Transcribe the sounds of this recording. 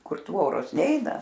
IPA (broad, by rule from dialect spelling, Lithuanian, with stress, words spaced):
ˈkʊr ˈtʋoːroːs ˈnʲɛɪnɐ